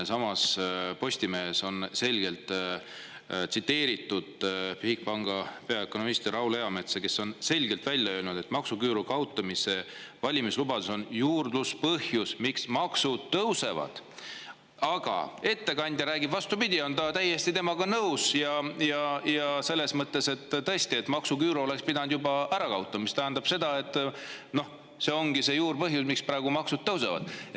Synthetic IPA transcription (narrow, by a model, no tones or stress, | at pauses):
sɑmɑspo̞sʲt̪ime̞ːso̞nse̞lʲɡ̥e̞lt̪ˑ | t̪sit̪ːe̞ːɾit̪ːˑud̪̥pihk̚pɑŋɡ̥ɑpe̞ɑeko̞no̞mist̪erɑwle̞ɑme̞t̪seke̞sːo̞nse̞lʲɡ̥e̞lt̪vælʲjɑø̞ːlnud̪e̞t̪mɑksukyːɾukɑwt̪ːˑumise̞vɑlʲimislubɑd̪̥eso̞njuːrd̪̥luspɤhjusmiksmɑksud̪̥t̪ːɤwse̞vɑ̰d̪̥ | ɑɡ̥ɑ̰e̞t̪ːe̞kɑnʲd̪jɑɾæːɡibvɑst̪upid̪ʲio̞nt̪ɑt̪æjːe̞st̪it̪emɑɡɑnɤwsjɑjɑjɑse̞lːe̞smɤt̪ːe̞se̞t̪ːt̪ːɤ̞esʲt̪ie̞t̪ːˑmɑksukyːɾoo̞le̞kspid̪ɑnd̪jubɑæɾɑkɑwt̪ːˑɑmist̪æɦænd̪ɑb̥se̞d̪ɑe̞t̪ːˑno̞h | se̞o̞ŋɡ̥ise̞juːrpɤɦjusmiksprɑːeɡ̥umɑksud̪̥ːɤwse̞vɑ̰d̪̥